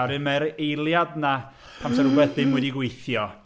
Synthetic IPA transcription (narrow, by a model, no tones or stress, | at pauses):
wɾɨnmaɾejlˠjadna | pʰamsɛɾwɛðɪmwɛdiɡwejθjɔ